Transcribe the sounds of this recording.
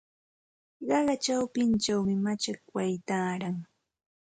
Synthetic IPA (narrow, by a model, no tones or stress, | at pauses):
ɢɑɢɑt͡ʃawpɪnt͡ʃawmɪmat͡ʃakwajt̪aːɾaŋ